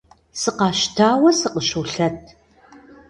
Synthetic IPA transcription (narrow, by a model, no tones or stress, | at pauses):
sɨqɑːʃtʰaːwɐsɨqəʃuwɬɐt̚ʰ